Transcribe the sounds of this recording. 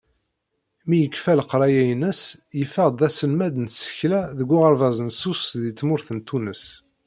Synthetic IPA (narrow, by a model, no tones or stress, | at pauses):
mijəkːfælqɾˤɑjæjnəsjəfəʁd̪ˤæsəlmæd̪nsə̥çlæðəɡʷːʊʁəɾˤvɑzˤənsusðit͡sːmʊɾθənt̪ʰːunəs